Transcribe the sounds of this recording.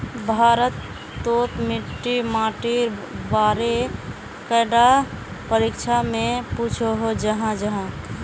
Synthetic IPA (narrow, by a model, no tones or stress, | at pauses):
bʱaːɾət̪ː | ot̪miʈːimaːʈiɾbaːɾe | kəɖa | pəɾikt͡ʃʰamẽput͡ʃʰoɦod͡ʒəɦãd͡ʒəɦã